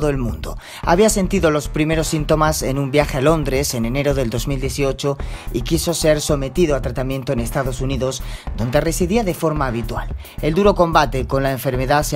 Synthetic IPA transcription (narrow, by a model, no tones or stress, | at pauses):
ðoe̞lmṵ̃nd̪o̰ | a̰βiase̞nt̪iðo̞lo̞spɾime̞ɾo̞sːint̪o̞mase̞nũmbjaxe̞alo̞nd̪ɾe̞se̞ne̞ne̞ɾo̞ð̞e̞ld̪o̞zmild̪je̞θio̞t͡ʃoikiso̞se̞ɾso̞me̞t̪iðoat̪ɾat̪amjẽ̞nt̪oene̞st̪aðo̞suniðo̞sd̪o̞nd̪e̞re̞siðiaðe̞fo̞ɾmaːβ̞it̪wa̰l | e̞ld̪uɾo̞ko̞mbat̪e̞ko̞nlaeɱfe̞ɾme̞ðas